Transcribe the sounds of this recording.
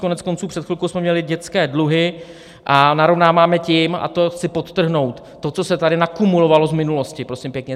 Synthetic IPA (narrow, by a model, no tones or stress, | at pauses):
konɛt͡sko̞nt͡suːpr̥ɛt̪xfɪlkowsmɛmɲɛlɪɟɛt͡skɛːdluɦɪ | ʔanaɾo̞vnaːmaːmɛcɪma̰t̪oxt͡sɪpot̪t̪ːr̩ɦno̞wt̪ːo̞t͡so̞sɛt̪adɪnakumulo̞valozmɪnulo̞scɪpɾosimpjɛkɲɛ